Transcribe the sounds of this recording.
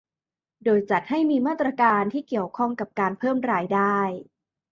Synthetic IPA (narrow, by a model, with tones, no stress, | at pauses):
doː˧jt͡ɕa˨˩t̪̚ha˥˩jmiː˧maː˥˩t̪ɾa˧kaː˧nt̪ʰiː˥˩ki˨˩əwkʰɔ˥˩ŋka˨˩p̚kaː˧npʰɤː˥˩mɾaː˧jdaː˥˩j